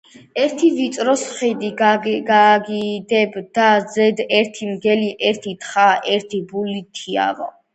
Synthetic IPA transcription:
ɛɾt̪ʰivit̪sʼɾɔsχid̪iɡaɡid̪ɛbd̪azɛd̪ɛɾt̪ʰimɡɛliʔɛɾt̪ʰit̪ʰχaʔɛɾt̪ʰibulit̪ʰia̰vɔ̰

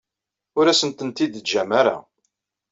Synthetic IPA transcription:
ʊɾæsənt̪ənt̪id̪ʒæmæɾa̰

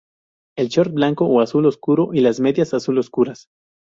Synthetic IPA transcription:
e̞lt͡ʃoɾt̪̚blaŋkowasuloskuɾoʔilazme̞ðjasasuloskuɾas

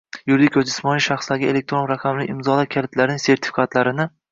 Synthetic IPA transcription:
jʊɾd̪ɪkʲʰɵzd̪ɪsmɒnijʃaχslaɡʲɪele̞k̚t̪ɾonɾaqʰɑmlɪʔɪmzɒlakʲʰalɪt̪laɾnɪŋse̞ɾt̪ʰɪ̥fɪ̥kʰat̪laɾɪnɪ

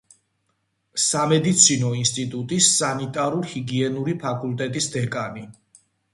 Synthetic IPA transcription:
samɛd̪it̪sʰinɔinst̪ʼit̪ʼut̪ʼisːanit̪ʼaɾuɾhiɡiɛnuɾipʰakʼult̪ʼɛt̪ʼisd̪ɛkʼani

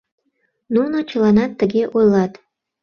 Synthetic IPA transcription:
nunot͡ɕəlɑnɑt̪ːəɣeʔojlɑt̪

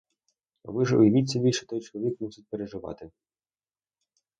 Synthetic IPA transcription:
ɔ̰bɪʒʊ̰jɐʋit̪ʲt͡sʲːɐbʲilʲʃɛ̥t̪ɔjt͡ʃɔlˠɔʋʲikmusʲɪt̚ʲpeɾeʒɪʋɑ̰t̪ɪ

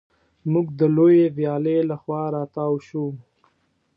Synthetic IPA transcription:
muɡd̪əlojevjɑːlelaxwɑɾɑːt̪ɑwʃu

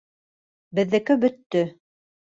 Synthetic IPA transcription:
bɘ̆ðːɘ̆kɵbɵ̆t̪ːɵ

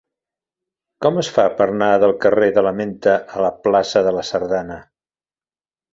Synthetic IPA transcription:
kɔməsfapəɾnaðəlˠkəreðələment̪əʔələplasəðələsəɾðanə

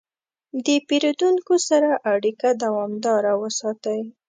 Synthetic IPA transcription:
d̪əpiɾod̪uŋkosaɾaʔaɽikad̪awɑmd̪ɑɾawəsɑt̪əj

